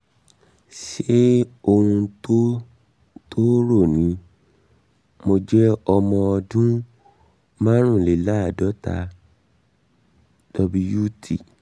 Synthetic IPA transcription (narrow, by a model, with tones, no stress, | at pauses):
ʃe˦o˧hũ˧to˦ | tʰo˦ɾo˦˨nĩ˨˦ | mo˧d͡ʒɛ˦ɔ˧mɔ̃˧ɔ˧dũ˦ | mãː˦ɾ̃ũ˦˨le˨˦la˦˨dɔ˨˦ta̰˧ | d̥ɔ˧bi˧ju˦tʰi˨